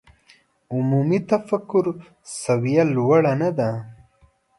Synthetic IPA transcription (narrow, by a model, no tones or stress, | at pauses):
ʊmumit̪afakːʊɾ | sawijalwaɽanad̪a